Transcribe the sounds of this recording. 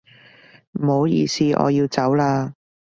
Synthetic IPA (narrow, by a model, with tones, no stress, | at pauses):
m̩˨ho˨˧wjḭː˧siː˧ʔɔ̰ː˨˧jiː˧wt͡sɐ˨˥wlaː˧